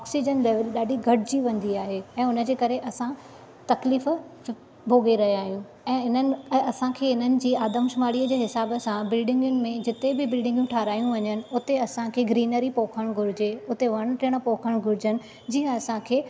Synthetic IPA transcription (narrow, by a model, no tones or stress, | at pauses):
ɔːksid͡ʑənleːʋəlɗaːɖiɡʱɐɽɪd͡ʑiʋɐ̃nd̪iaːɦeɛ̃ːʊnəd͡ʑeːkɐɾeʔɐsã | t̪ɐkliːf | bʱoːɡeɾɐɦiaːɦijũ | ɛ̃ːɪnənɪ̆ɐsãkʰeːɪn̤ənɪ̆d͡ʑiːaːd̪əmʃʊmaːɽiəd͡ʑeːɦɪsaːbəsãbɪlɖɪ̃ŋɡjʊnɪ̆mẽd͡ʑɪt̪ebɪbɪlɖɪ̃ŋɡjũʈʰaːɾaːjũʋɐɲənɪ̆ʊt̪eɐsãkʰeːɡɾiːnəɾipoːkʰəɽ̃ɡʱʊɾɪd͡ʑeʊt̪eʋɐɽ̃ʈɪɽ̃̆poːkʰəɽ̃ɡʱʊɾɪd͡ʑənɪ̆ | d͡ʑiːɦə̃ɐsãkʰeː